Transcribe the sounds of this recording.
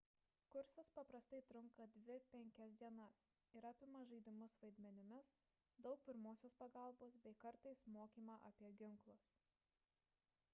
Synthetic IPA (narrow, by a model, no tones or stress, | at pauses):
kʊɾsɐspɐpɾɐst̪ɐɪt̪ɾʊŋkɐd̪ʲʋʲɪpʲɛŋʲkʲɛsd̪ʲiɛnɐs | ɪɾɑːpʲɪmɐʒɐɪd̪ʲɪmʊsʋɐɪd̪ʲmʲɛnʲɪmʲɪs | d̪ɒʊk̚pʲɪɾmoːsʲoːspɐɡɐˑlˠboːsbʲɛɪkɐɾt̪ɐɪsmoːkʲiːmɑʔɐpʲiɛɡʲɪŋˑklˠɐs